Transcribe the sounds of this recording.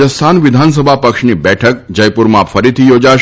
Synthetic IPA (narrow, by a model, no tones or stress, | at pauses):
əsst̪ʰanʋɪd̪ʱans̬əbʱapəkʃnibɛʈʰək̚d͡ʒəjpuɾmãfəɾit̪ʰijod͡ʒa